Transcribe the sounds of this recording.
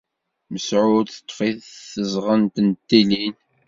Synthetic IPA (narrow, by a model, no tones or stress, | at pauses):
məsʕʊθə̥t̪ˤːfiθθəzʁənt̪ənt̪ːilin